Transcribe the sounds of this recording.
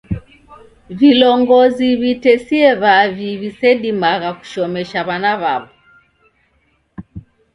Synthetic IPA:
vilɔŋɡɔziβitɛsiɛβaviβisɛɗimaɣaku̥ʃɔmɛʃaβanaβaβɔ

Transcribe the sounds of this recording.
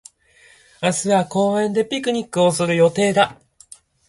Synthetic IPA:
asɨako̞ːẽ̞nd̪e̞pʲikɯ̟ɲ̟ikːɯ̟o̞sɨɾɯ̟jo̞t̪e̞ːd̪a

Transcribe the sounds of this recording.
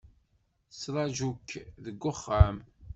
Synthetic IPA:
sɾˤɑʒukːðəɡːʊχːam

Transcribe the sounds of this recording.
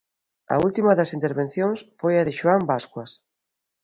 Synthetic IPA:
ɐ̰ult̪imɐðɐsint̪eɾβẽn̟θjoŋsfojɐðɪʃuambaskwɐs

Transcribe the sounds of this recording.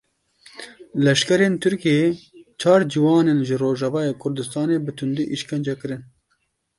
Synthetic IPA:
lɛʃkɛɾent̪ʰɨɾkijet͡ʃʰɑːɾd͡ʒiwɑːnenʒɨroːʒɑvɑːjeːkʰʊɾd̪ɨst̪ɑːneːbɨt̪ʰʊnd̪iʔiʃkɛnd͡ʒɛkɨɾɨn

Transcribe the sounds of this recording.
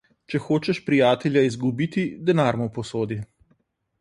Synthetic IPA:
t͡ʃɛxoːt͡ʃɛʃpɾijaːt̪ɛljaizɡubit̪id̪ɛnaːɾmɔpɔsoːd̪i

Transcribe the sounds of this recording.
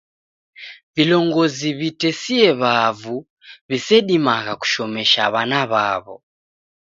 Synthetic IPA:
vilɔŋɡɔziβitɛsiɛβavu | βisɛɗimaɣaku̥ʃɔmɛʃa̰βanaβaβɔ̰

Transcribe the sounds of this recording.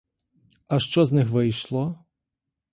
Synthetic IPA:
ɐʃt͡ʃɔznɪxʋɪjʃlˠɔ

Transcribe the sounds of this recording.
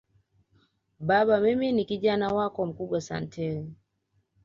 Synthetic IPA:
ɓaɓamiminikiʄanawakɔm̩kuɓwasa̰ntʰɛɾi

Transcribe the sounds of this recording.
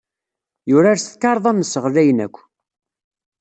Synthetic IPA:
jʊɾaɾsθkːɑɾˤðˤæmːəsəʁlæjnæ̰kʷː

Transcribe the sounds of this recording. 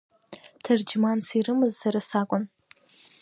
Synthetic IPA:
tʰɨrd͡ʒmansirɨmɨzsaɾɨsakʷʼʊn

